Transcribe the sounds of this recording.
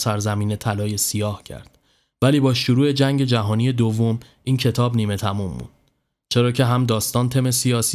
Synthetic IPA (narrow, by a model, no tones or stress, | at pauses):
sæɾzæmiːnet̪ʰælɒːje̞sijɒːhcʰæ̰ɾd̪̥ | væliːbɒːʃuɾuːe̞d͡ʒæŋɟe̞d͡ʒæɦɒːnije̞d̪ovːom | ʔiːncʰe̞t̪ʰɒːbniːme̞t̪ʰæmumːṵːnd̪̥ | t͡ʃʰe̞ɾɒːcʰe̞ɦæmd̪ɒːst̪ɒːnt̪ʰeme̞sijɒːs